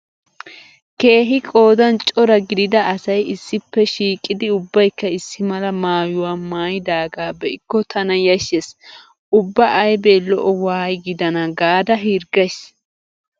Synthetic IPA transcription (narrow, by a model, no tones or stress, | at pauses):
ke̞ːɦɪkʼo̞ːd̪ɐnt͡ʃʼɔɾɐɡɪd̪ɪd̪ɐːsɐjɪsːɪpːɛʃiːkʼːɪd̪ɪʊbːɐjkːɐɪsːɪmɐlɐmaːjʊwaːmaːjɪd̪aːɡaːbɛɪkːɔt̪ʰɐnɐjɐʃes | ʔʊbːɐʔɐjbelɔ̰ʔɔwaːjɡɪd̪ɐnɐɡaːd̪ɐɦiɾɡɐs